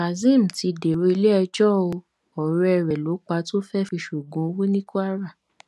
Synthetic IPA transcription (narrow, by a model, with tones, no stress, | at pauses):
a˨zĩ˦˨m̩˨ti˧de˨ɾo˧i˧le˦ɛ˧d͡ʒɔ˦o˧ | ɔ˨ɾɛ˧ɾɛ˨lo˨˦k͡pa˧to˦fɛ˦fi˧ʃu˨ɡũ˨˦wi˦nĩ˦ko˦a˦ɾa˦˨